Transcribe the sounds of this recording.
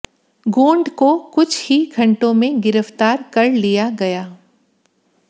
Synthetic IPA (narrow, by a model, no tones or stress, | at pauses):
ɡoːɳɖkokʊt͡ʃʰhiɡʰʱɐ̃ɳʈõmẽɡɪɾəft̪aːɾkɐɾlijaɡɐjaː